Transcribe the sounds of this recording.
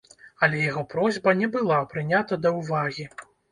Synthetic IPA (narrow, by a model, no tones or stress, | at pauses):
ɐlʲɛjaɣɔpɾɔzʲbɐnʲɛbɨlˠapɾɨnʲat̪ɐd̪ɐwvaɣʲi